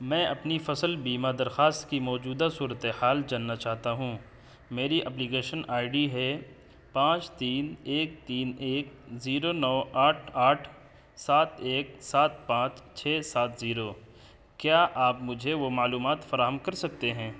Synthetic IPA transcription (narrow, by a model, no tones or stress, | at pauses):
mɛ̃ːɐpnifɐsəlbiːmad̪ɐɾxaːst̪kimɔːd͡ʒuːd̪asuːɾət̪ehaːld͡ʒaːnːat͡ʃaːɦt̪aɦũ | meːɾiʔɐpliɡeːʃənʔaːɪɖiɦɛ | pãːt͡ʃt̪iːneːk̚t̪iːneːkziːɾonɔːaːʈʰaːʈʰ | saːt̪ʰeːk̚saːt̪̚pãːt͡ʃt͡ʃʰɛːsaːt̪ziːɾo | kjaːʔaːpmʊd͡ʒʱeʋomaːluːmaːt̪fɐɾaːɦəmkɐɾsɐk̚t̪eɦɛ̃ː